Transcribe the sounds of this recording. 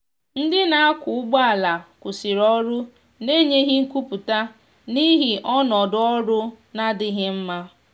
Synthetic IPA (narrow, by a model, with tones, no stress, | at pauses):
n̩˦dɪ˦na˨a˦kʊ˨ʊ˦ɡ͡ba˦a˨la˨kʊ˨sɪ˨ɾɔ˦ɾʊ˦ | ne˦ɲe˦ɦɪ˦ŋ̩˦ku˦pu˨ta˦ | ni˦ɦɪ˨ʔɔ˦nɔ˨dʊ˨˦ɔ˦ɾʊ˦ | na˦dɪ˦ɦɪ˦m̩˦ma˦